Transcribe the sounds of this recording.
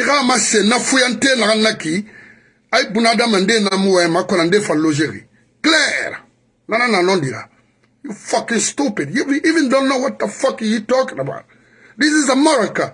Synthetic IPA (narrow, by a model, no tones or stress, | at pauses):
jiɣamasenafujantenaɡanːaki | ajbunadamandenamuwɛmakɔnandefãnlod͡ʒekḭ | klɛɾ | nanananɔ̃ndiɾa̰ | jufakɪ̃nstupɪdjivivɪ̃ndɔnːɔwatːafɔkĩjutɔknaba̰n | dis̬ɪzamɔɾaka